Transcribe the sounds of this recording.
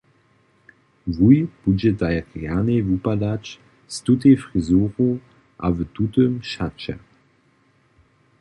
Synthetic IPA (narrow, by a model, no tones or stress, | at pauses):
vujb̥ud͡ʑɛdajʁjanevupadat͡ʃ | stutefʁizuːʁu | ʔa̰vətutəmʃat͡ʃɛ̰